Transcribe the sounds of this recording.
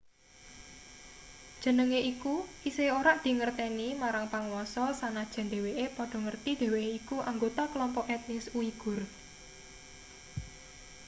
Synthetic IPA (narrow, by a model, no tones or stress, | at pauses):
d̥ʒ̥ə̤nəŋeʔikuʔiseoɾaʔd̪̥i̤ŋərt̪ɛnimaɾaŋpaŋwɔsɔsanad̥ʒ̥a̤nd̪e̤weʔepɔɖ̥ɔ̤ŋərt̪id̪̥e̤weeikuʔaŋɡot̪aklɔmpɔʔɛt̪̚nɪsuiɡ̥ʊ̤r